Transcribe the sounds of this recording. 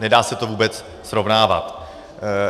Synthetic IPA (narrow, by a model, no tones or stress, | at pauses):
nɛdaːsɛt̪o̞vuːbɛt͡s | sɾovnaːva̰t̪